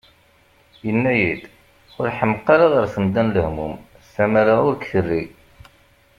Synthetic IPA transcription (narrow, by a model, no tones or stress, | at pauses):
jənːæjid̪ | ʊɾħəməqːɑɾɑðəɾθəmd̪ænləhmum | st̪æmaɾaʊɾkθərːi